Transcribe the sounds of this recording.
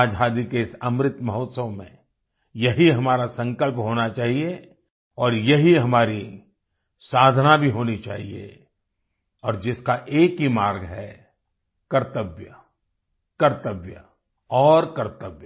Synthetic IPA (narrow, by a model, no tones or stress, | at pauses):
aːd͡ʒʱɦaːd̪ikeɪsɐmɾɪt̪mɐɦoːt̪səʋmḛ̃ | jɐɦiɦɐmaːɾasɐ̃ŋkəlpɦoːnat͡ʃaːɦie | ɔːɾjɐɦiɦɐmaːɾi | saːd̪ʱənabʱiɦoːnit͡ʃa̰ːɦḭḛ | ɔːɾd͡ʒɪskaʔeːkɦimaːɾɡɦɛ | kɐɾt̪əʋjə | kɐɾt̪əʋjə̰ | ɔːɾkɐɾt̪əʋjə